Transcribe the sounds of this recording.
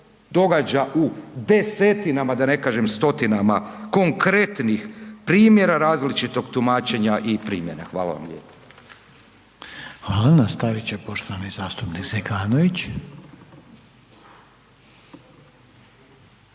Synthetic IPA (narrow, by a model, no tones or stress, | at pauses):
d̪o̞ɡad͡ʑaʔud̪eset̪inamad̪ane̞kaːʒemst̪o̞t̪inamako̞ŋkɾe̞t̪nixpɾiːmje̞ɾaɾaːzlit͡ʃit̪o̞ɡt̪umaːt͡ʃe̞ɲaʔipɾḭːmje̞na̰xʋa̰ːla̰ʋa̰mʎʲḛpo̥ | xʋaːlˠanast̪aʋit͡ɕepo̞ʃt̪oʋanizaːst̪upnikzekaːnoʋit͡ɕ